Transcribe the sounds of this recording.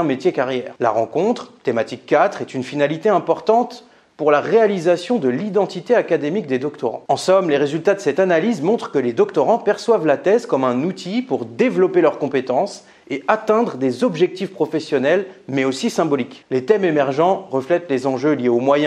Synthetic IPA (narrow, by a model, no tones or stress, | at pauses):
met̪jekaʁjɛːʁla̰ʁɑ̃kɔ̃t̪χt̪emat̪ikːat̪χɛt̪ynfinalit̪eɛ̃pɔʁt̪ɑ̃t̪ | puʁlaʁealizasjɔ̃d̪əlid̪ɑ̃t̪it̪eakad̪emik̚d̪ed̪ɔkt̪ɔʁɑ̰̃ɑ̃sɔmleʁezylt̪ad̪əsɛt̪analizmɔ̃t̪χə̥kəled̪ɔkt̪ɔʁɑ̃pɛʁswavlat̪ɛzkɔmɛ̃nut̪ʰipuʁd̪evlɔpelœʁkɔ̃pet̪ɑ̃s | eat̪ɛ̃d̪ʁəd̪ezɔbʒɛk̚t̪ifpχɔfɛsjɔnɛlmɛosisɛ̃bɔliklet̪ɛmemɛʁʒɑ̃ʁəflɛt̪lezɑ̃ʒøljeomwajɛ̃